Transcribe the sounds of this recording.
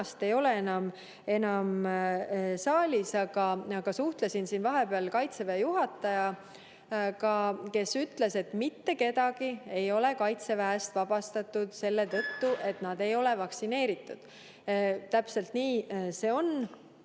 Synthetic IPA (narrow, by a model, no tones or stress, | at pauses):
st̪e̞jo̞le̞enɑm | e̞nɑm | sɑːlʲisɑɡ̥ɑɑɡ̥ɑsuht̪lesinsiːnvɑɦe̞beɑlkɑjt̪se̞væjuɦɑt̪ːˑɑjɑ | kɑke̞syt̪le̞se̞t̪mit̪ːe̞ke̞d̪̥ɑɡ̥ie̞jo̞le̞kɑjt̪se̞væest̪vɑb̥ɑst̪ɑt̪ːud̪̥se̞lːe̞t̪ɤt̪ːuʔe̞t̪nɑd̪̥e̞jo̞levɑksine̞ːɾit̪ːˑud̪̥ | t̪æpse̞lt̪niːse̞ːo̞n